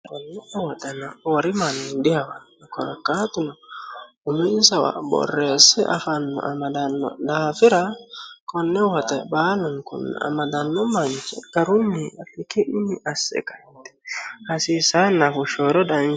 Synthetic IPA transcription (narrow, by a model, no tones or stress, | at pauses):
kɔnːɪɛwɐt̪ɐnɐwɐɾɪmanɪnd̪ɪhɐwɐnɔkɔɾɐkːaːt̪ʊnɐ | ʊmɪnsɐwa̰bɔ̰rːeːsːɛʔɐ̰fɐnːɔ̰ʔɐmɐd̪ɐnːɔ̰d̪aːfɪɾɐkɔnːɛwɐt̪ɛbaːlʊŋkʊ̰n̰ːɐ̰mɐd̪ɐnːɔmɐnt͡ʃɛɡɐɾʊnːɪɐfɪkɪʔɪnɪʔɐsːɛ̰kɐ | t̪ɛ̥hɐsiːsaːnːɐfʊʃoːɾɔd̪an